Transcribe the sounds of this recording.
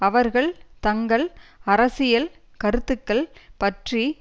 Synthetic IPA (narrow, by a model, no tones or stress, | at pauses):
ɐʋɐɾɣɐɭt̪ɐŋɡɐɭɐɾɐsɪjɐl | kɐɾɯt̪ːɯkːɐɭpɐʈri